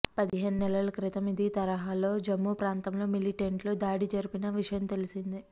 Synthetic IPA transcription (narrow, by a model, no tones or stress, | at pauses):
pɐd̪iɦe̞ːnunɛlɐlɐkɾit̪ɐmid̪it̪ɐɾɐɦaːlo̞ːd͡ʒɐmːupɾaːnt̪ɐmlo̞ːmiliʈeɳʈlo̞ːd̪aːɽid͡ʒɐɾipinɐʋiʂɐjɐmt̪e̞lisind̪i